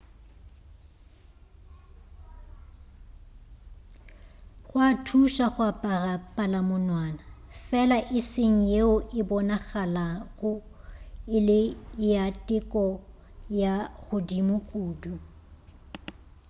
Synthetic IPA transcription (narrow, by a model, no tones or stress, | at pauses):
ɣwatʰuʃaχwapʼarapʼalamʊnwaːnafɛlaʔɪsɪŋ̩jeʊʔɪbɔnaɣalaɣʊ | ɪlɪjatʼɪkʼɔ | jaɣʊdimʊkʼuːdu